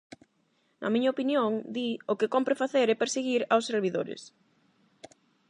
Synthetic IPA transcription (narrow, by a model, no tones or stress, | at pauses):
nʔɐ̰mĩɲɐopinjoŋd̪iʊkɪkompɾefaθeɾepeɾseɣiɾawsːeɾβiðo̰ɾɪ̰s